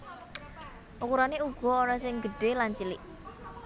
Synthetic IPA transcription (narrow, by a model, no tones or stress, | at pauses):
ʔukuɾaneuɡ̥ɔ̤oɾasɪŋɡəɖ̥e̤lant͡ʃilɪʔ